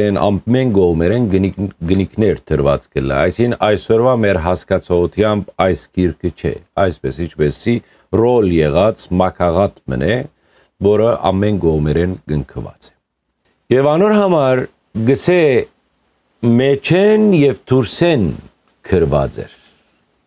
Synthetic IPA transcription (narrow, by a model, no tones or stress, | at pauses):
ɾɛnɑ̰mmɛnɡɔʁmɛɾɛnɡənikʰnɛɾt̪ʰəɾvɑ̰t͡sɡəlːɛ̰ɑjsinɑjsɔɾvɑmɛɾɦɑskɑt͡sʰɔʁut̪ʰjɑmbɑjskʰiɾkʰət͡ʃʰɛ̰ɑjspɛsit͡ʃʰbɛsi | rɔljɛʁɑt͡smɑkʰɑʁɑt̪mə̰nʔɛ | vɔɾəʔɑ̰mːɛnɡɔʁmɛɾɛnɡəŋkʰəvɑ̰t͡sɛ̥ | jɛvɑnɔɾhɑmɑɾ | ɡəsɛ | mɛt͡ʃʰɛnjɛvt̪ʰuɾsɛn | kʰəɾvɑ̰t͡sɛ̰ɾ